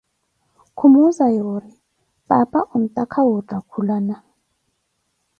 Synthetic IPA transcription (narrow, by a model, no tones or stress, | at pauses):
kʰumuzajorɪ | pʼapʼaʔʊm̩tʼakʰawʊtʼakʰulana